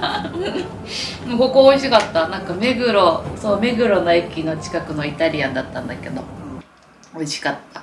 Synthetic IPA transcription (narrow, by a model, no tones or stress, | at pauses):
ɯ̟̃ko̞ko̞oiɕikat̪ːanãŋkame̞ɡɯ̟ɾo̞soːme̞ɡɯ̟ɾo̞no̞ekʲino̞t͡ɕi̥kakɯ̟no̞it̪aɾʲiãnd̪at̪ːãnd̪ake̞d̪o̞̰ | o̞iɕi̥kat̪ːḁ